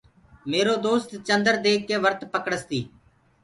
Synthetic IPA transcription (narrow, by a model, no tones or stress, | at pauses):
meːɾoːd̪oːst̪t͡ʃə̃nd̪əɾd̪eːkːeːʋəɾt̪pəkɽəst̪iː